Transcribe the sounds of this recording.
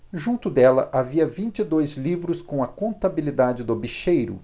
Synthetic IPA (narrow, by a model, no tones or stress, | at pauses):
ʒũnt̪ʊd̪ɛlɐ̰ʔaviɐvĩnt͡ʃɪd̪ojzlivɾʊskõw̃ɐkõnt̪abilid̪ad͡ʒɪd̪obiʃejɾʊ̰